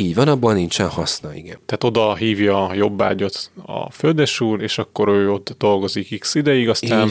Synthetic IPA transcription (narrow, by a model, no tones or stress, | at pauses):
iːɟvɒnɒboːlnint͡ʃɛnhɒsnɒiɡɛnt̪ɛɦaːt̪o̞d̪ɒɦiːvjɒːjo̞bːa̰ːɟo̞t̪ɒ̰føld̪ɛʃuːreːʃɒkːo̞ɾøːo̞t̪ːd̪o̞lɡo̞zikiksid̪ɛjiɡɒst̪aːn